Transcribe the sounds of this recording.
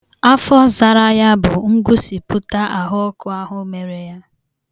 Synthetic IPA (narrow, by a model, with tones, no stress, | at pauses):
a˦fɔ˦za˨ɾa˦ja˦bʊ˨ŋ̩˦ɡu˦si˨pʊ˦ta˦ʔa˨ɦʊ˦ɔ˦kʊ˦a˦ɦʊ˦me˨ɾe˨ja˦